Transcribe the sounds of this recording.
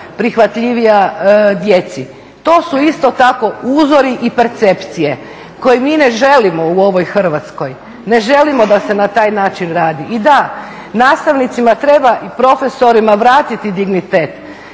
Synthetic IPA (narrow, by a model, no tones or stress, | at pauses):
pɾixʋat̪ʎiʋijad̪je̞t̪si | t̪o̞ːsuist̪o̞t̪ako̞uːzo̞ɾiʔipe̞ɾt̪se̞pt̪sije̞ | ko̞jimiːne̞ʒe̞limo̞uo̞ʋo̞jxr̩ʋat̪sko̞j | ne̞ʒe̞limo̞d̪ase̞nat̪aːjnaːt͡ʃinɾaːd̪iʔid̪a | naːst̪aʋnit̪simat̪ɾe̞baʔipɾo̞fe̞so̞ɾimaʋɾaːt̪it̪id̪iɡnit̪e̞ːt̪